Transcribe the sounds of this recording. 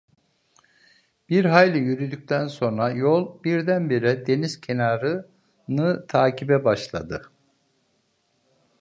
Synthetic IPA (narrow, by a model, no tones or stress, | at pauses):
b̥iɾɦajlʲɯjyɾyd̪yc̚t̪ʰænso̞nɾajo̞lˠbiɾd̪ænbiɾɛd̪e̞niz̥cʰe̞naːɾɯ | nɯt̪ʰaːcʰibɛbaʃlˠa̰d̪ɯ